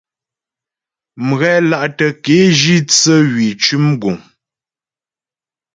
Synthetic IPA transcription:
m̩˨ɣɛ˦la˦˨ʔtə˨ke˨˦ʒi˦t͡sə˦ɣɥi˨t͡ʃʉ˦mɡu˨ŋ

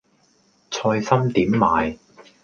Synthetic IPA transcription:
t͡sʰɔː˧jsɐ˥mt̪iː˨˥mːaː˨˧j

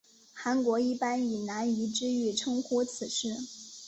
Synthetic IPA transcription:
xa˧˥nkwɔ˧˥i˥˩pa˥ni˨˩na˧˥ni˧˥ʈ͡ʂɻ̩˥y˥˩ʈ͡ʂʰɤ˥ŋxu˥t͡sʰɹ̩˨˩ʂɻ̩˥˩

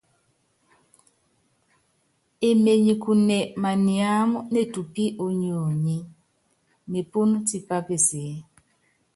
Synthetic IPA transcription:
e˨me˨ɲi˨ku˨nɛ˨ma˨ni˨a˦mu˦ne˦tu˨pi˦ʔo˨ɲo˨ɲi˦ | me˨pu˦n˦ti˦pa˦pe˨se˨˦

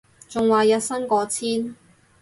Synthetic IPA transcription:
t͡sʊ˨ŋwaː˨jɐ˨˧t̚sɐ˥ŋkɔː˧t͡sʰiː˥n

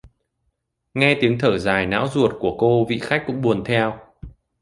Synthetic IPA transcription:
ŋɛ˧t̪i˨˦əŋt̪ʰəː˧˩zaː˨˩jna̰ː˧˥wzu˨˩ət̚ku˧˩əko˧vḭ˧˨xa˦˥k̟̚ːkʊ̰˧˥ŋ͡mɓu˨˩ənt̪ʰɛ˧w

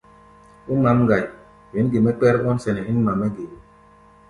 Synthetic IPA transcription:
u˦ma˨˦mɡa˨j | wi˨nɡe˨mɛ˦k͡pɛ˦ɾɔ˦nsɛ˨nɛ˨hi˦nma˨mːɛ˦ɡe˨

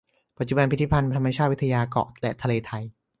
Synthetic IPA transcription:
pa˨t̪̚t͡ɕu˨˩ba˧npʰi˦t̪ʰi˦˥pʰa˧nt̪ʰa˧ma˧t͡ɕʰaː˥˩wt̪ʰa˧jaː˧kɔ̰˨˩lɛ̰˦˩t̪ʰa˧leː˧t̪ʰa˧j

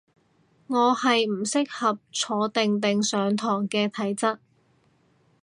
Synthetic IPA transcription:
ŋɔː˨˧hɐ˨jm̩˨˩sɪ˥k̚hɐ˨p̚t͡sʰɔː˨˧t̪ɪ˨ŋt̪ɪ˨ŋsœː˨˧ŋt̪ʰɔː˨˩ŋkɛː˧t̪ʰɐ˨˥jt͡sɐ˥t̚

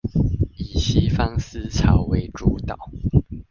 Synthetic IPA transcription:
i˨˩ɕi˦˥fɑ˥ŋs̩˥t͡sʰɑ˨˥ʊwe˧˥ɪʈ͡ʂu˧˥t̪ɑ˨˩˦ʊ

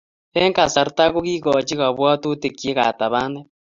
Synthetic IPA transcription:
e˦ŋka˨sa˨ɾta˦ɣo˦ɣi˦ɣɔ˨t͡ʃi˦ɣa˨βwa˦to˦te˨kje˦ɣa˨ta˨βaː˦nde˦

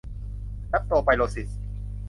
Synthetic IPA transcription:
la˦˥p̚t̪oː˧pa˧jloː˧si˨˩s

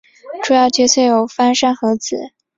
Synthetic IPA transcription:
ʈ͡ʂu˥jɑ˥˩ʊt͡ɕɛ˥sʰɛ˥˩jo˨˩ʊfa˥nʂa˥˩nxɤ˧˥t͡sɹ̩˨˩˦

